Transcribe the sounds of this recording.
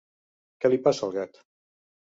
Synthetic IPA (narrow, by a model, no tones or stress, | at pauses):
kɛlipasalˠɣɛt̪